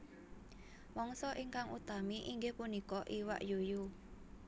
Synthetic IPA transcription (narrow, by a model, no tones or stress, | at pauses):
wɔŋsɔʔiŋkaŋʔṵt̪amiʔiŋɡehpunikɔʔiwa̰ʔjuju